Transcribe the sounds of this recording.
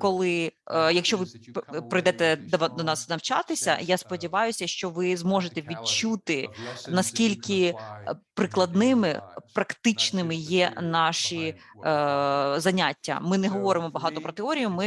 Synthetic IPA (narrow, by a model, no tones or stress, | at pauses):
kɔlˠɪjɐkʃt͡ʃɔʋɪpɾɔjd̪ɛt̪ɛd̪d̪ɔnɑsnɐwt͡ʃɑt̪ɪsʲɐ̰jaspɔdʲiʋɑjʊsʲɐʃt͡ʃɔʋɪzmɔʒet̪ɛʋʲid̚t͡ʃut̪ɪnɐskʲilʲkɪ | pɾɪklˠɐd̪nɪmɪ̰pɾɐkt̪ɪt͡ʃnɪmɪjɛnɑʃi | zɐnʲatʲːɐ̰mɪnɛɦɔʋɔɾɪmɔbɐɦɑt̪ɔpɾɔt̪eɔɾʲijʊmɪ